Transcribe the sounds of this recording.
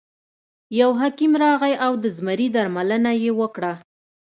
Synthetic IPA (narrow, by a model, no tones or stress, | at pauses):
jawɦakimɾɑɣajawd̪əzmaɾid̪aɾmalənajewəkɽa